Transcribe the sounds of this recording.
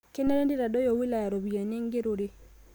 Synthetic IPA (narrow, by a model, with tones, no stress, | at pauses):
ke˦na˦ɾe˦ndi˦ɾa˨dɔ˦jɔ˨wi˦la˨ja˨ɾo˨bi˨a˨ne˦ŋɡe˦ɾo˨ɾe˦